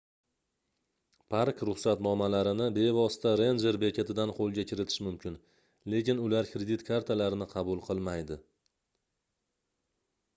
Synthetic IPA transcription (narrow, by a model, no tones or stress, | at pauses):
pʰaɾkɾʊχsat̪nɒmalaɾɪnɪbe̞vɒsɪ̥t̪ʰaɾe̞nd͡ʒe̞ɾbe̞kʲet̪ʰɪd̪anqʰolˠɡʲakʲʰɪɾɪt̪ʰɪ̥ʃmʊmkʲʰɪn | le̞kʲɪnʊlaɾkɾe̞d̪it̪kʰaɾt̪ʰalaɾɪnɪqʰɑbʊlˠqʰɨlˠmajd̪ɪ